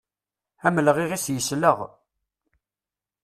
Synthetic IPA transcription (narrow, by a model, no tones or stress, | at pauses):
æməlʁiʁisjəsləʁ